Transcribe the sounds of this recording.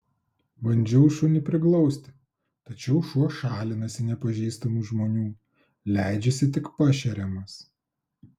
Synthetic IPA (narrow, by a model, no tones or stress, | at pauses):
ʋɐnʲˑd͡ʒʲɛʊʃunʲɛpʲɾʲɪklˠɒʊsʲt̪ʲɪ | t̪ɐt͡ʃʲɛʊʃuɔʃɑːlʲɪnɐsʲɪnʲɛpɐʒʲɛɪst̪ɐmuːʒmoːnʲuː | lʲæˑɪd͡ʒʲɛsʲɪt̪ʲɪkpɐʃʲɛɾʲɛmɐs